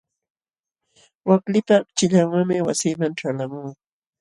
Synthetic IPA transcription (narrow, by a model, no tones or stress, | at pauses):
waklɪpat͡ʃɪʎaŋwaŋmɪwasiːmaŋʈ͡ʂalamʊː